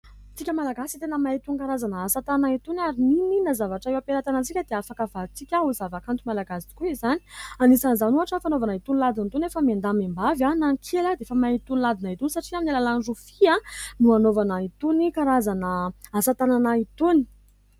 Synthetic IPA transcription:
t͡sikʲəmalaɡasit̪enəmait̪unikaɾazanəasat̪ananait̪unaɾinininazavaʈ͡ʂaewapeɾat̪anat͡sikʲəd̪eafakəvat͡sikʲauzavakant̪umalaɡasi̥kuizani̥anisanzanuaʈ͡ʂafanovanait̪unilad̪int̪unefəmend̪amembavanaŋkʰelad̪eefəmait̪unilad̪inait̪unisaʈ͡ʂiaminilalanʐufianuanovanait̪unikaɾazanəasat̪ananait̪uni̥

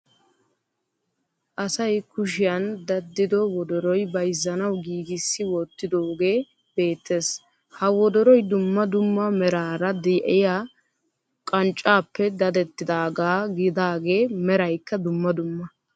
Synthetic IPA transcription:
ʔɐsɐjkʊʃ̬ɪjɐnd̪ɐd̪ːɪd̪ɔwɔd̪ɔɾɔjbɐjzːɐnɐwɡiːɡɪsːɪwɔt̪ːɪd̪o̞ːɡe̞ː | b̥e̞ːt̪ːe̞ːs | hɐwɔd̪ɔɾɔjd̪ʊmːɐd̪ʊmːɐmɛɾaːɾɐd̪ɪʔɪja | kʼɐnt͡ʃʼːaːpːɛd̪ɐd̪ɛt̪ːɪd̪aːɡaːɡɪd̪aːɡe̞ːmɛɾɐjkːɐd̪ʊmːɐd̪ʊmːɐ

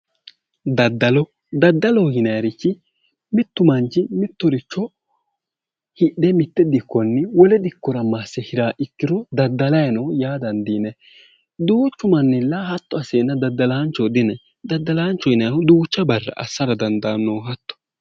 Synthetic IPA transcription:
d̪ɐd̪ːɐlɔ | d̪ɐd̪ːɐlɔhɪnɐjɐɾɪt͡ʃːɪ | mɪt̪ːʊmɐnt͡ʃɪmɪt̪ːɔɾɪt͡ʃːɔ | hɪɗɛmɪt̪ːɛd̪ɪkːɔnːɪwɔlɛd̪ɪkːɔɾɐmaːsːɛhɪɾaːʔɪkːɪɾɔd̪ɐd̪ːɐlɐjɐnɔjaːd̪ɐnd̪iːnɛ | d̪uːt͡ʃːʊmɐnːɪlːɐhɐt̪ːɔɐseːnːɐd̪ɐd̪ːɐlaːnt͡ʃːɔd̪ɪnɛ | d̪ɐd̪ːɐlaːnt͡ʃːɔɪnɐjɐʊd̪uːt͡ʃːɐbɐrːɐ̰ʔɐ̰sːɐɾɐd̪ɐnd̪ɐnːoːɦɐt̪ːɔ̥

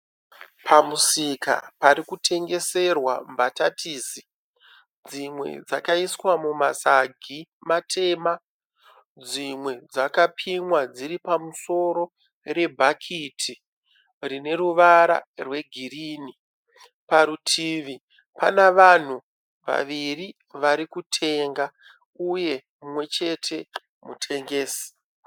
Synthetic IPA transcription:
pʰamusika̰paɾikutʰe̞ŋɡe̞se̞rwa̰mbatatʰiːsi | d͡zimwe̞̰d͡zakaiswamumasaɡʱimatʰe̞ːma | d͡zimwe̞d͡zakapʰimwad͡ziɾipamuso̞ɾo̞ | re̞bʱakʰitʰi | rine̞ɾuʋaɾa̰rwe̞ɡʱiriːni | paɾutʰiːʋi | panaʋan̤u | ʋa̰ʋiri | ʋaɾikutʰe̞ŋɡa | uje̞ | mumwe̞t͡ʃe̞tʰe̞ | mutʰe̞ŋɡe̞ːsi̥

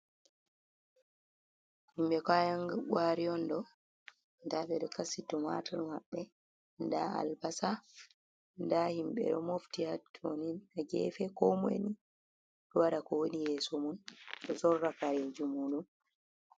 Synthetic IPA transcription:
himɓɛkajaŋɡaɡwaɾijɔndɔ | ndaɓɛɗɔkasitɔma̰tʰalma̰ɓːɛ | ndaa̰lbasa | ndahimɓɛ̰ɗɔmoftihatʰoninaɡɛ̰fɛkɔmḛni | ɗɔwaɗakɔwonijɛːsɔmunɗɔsɔɾːakaɾed͡ʒumuɗun

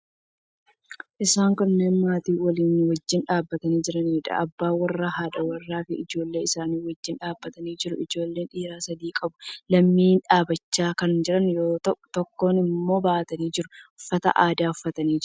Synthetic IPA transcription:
ʔɪsaːŋkʊnːe̞ːnmaːt̪iːwɐliːnwɐd͡ʒːɪnᶑaːbːɐt̪ɐniːd͡ʒɪɾɐniːᶑɐ̰ʔɐbːaːwɐrːaːɦaːᶑɐwɐrːaːfɪɪd͡ʒo̞ːlːe̞ːɪsaːniːwɐd͡ʒːɪnᶑaːbːɐt̪ɐniːd͡ʒɪɾʊʔɪd͡ʒo̞ːlːe̞ːnᶑiːɾaːsɐd̪iːkʼɐbʊlɐmːiːᶑaːbɐt͡ʃːaːkɐnd͡ʒɪɾɐnjoːt̪ɔkːo̞ːnɪmːo̞ːbaːʔt̪ɐniːd͡ʒɪɾʊʊfːɐt̪ɐ̰ʔaːd̪aːʊfːɐt̪ɐniːd͡ʒɪ

